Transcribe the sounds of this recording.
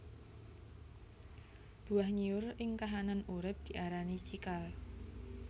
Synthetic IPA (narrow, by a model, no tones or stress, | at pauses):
b̥ṳahɲiʊrɪŋkaɦananuɾɪp̚d̪̥i̤ʔaɾanit͡ʃikal